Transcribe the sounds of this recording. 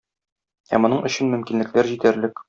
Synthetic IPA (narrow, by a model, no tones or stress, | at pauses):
æ̰mŏnɤɴʔɵ̆ɕɘnmɵ̆mkinlɘ̆klæɾʑit̪æɾlɘk